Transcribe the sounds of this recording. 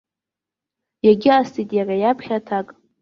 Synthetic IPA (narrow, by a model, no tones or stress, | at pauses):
jaɡʲɪastʰitʼjarajapʰχʲatʰakʼ